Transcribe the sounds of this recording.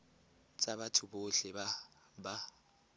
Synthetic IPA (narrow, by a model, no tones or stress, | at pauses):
t͡sʼabatʰʊboɬɛba | ba